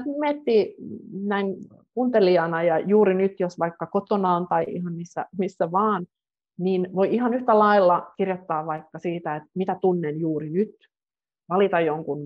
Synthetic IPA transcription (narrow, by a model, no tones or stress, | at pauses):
t̪yt̪meːt̪ːiːnæin | kunt̪eliɑnɑjɑjuːɾinyt̪josʋɑikːɑkot̪onɑont̪ɑiḭhɑnmisːæ̰misːæʋɑːn | niːnʋoiihɑnyht̪ælɑilːɑkirjot̪ːɑːʋʋɑikːɑsiːt̪æet̪mit̪æt̪unːenjuːrinyt̪ | ʋɑlit̪ɑjjoŋkun